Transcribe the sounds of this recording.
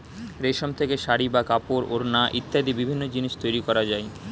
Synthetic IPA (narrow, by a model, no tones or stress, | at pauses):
ɾeʃomt̪ʰekeʃaɽibakapoɾoɾnaʔit̪ːad̪ibibʱinːod͡ʑiniʃt̪ojɾikɔɾad͡ʑae